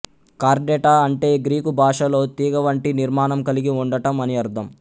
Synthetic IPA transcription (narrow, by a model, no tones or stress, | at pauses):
kaːɾɖɛʈaːɐɳʈe̞ːɡɾiːkubʱaːʂɐlo̞ːt̪iːɡɐʋɐɳʈiniɾmaːnɐmkɐliɡiuɳɖɐʈɐmɐniɐɾd̪ʰʱɐm